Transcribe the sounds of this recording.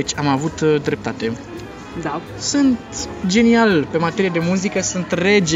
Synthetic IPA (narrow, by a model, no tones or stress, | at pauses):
t͡ʃʲamavut̪d̪ɾe̞p̚t̪at̪e̞ | d̪a | sɨnt̪d͡ʒe̞nialpe̞mat̪e̞ɾijed̪e̞muzikəsɨnt̪re̞d͡ʒ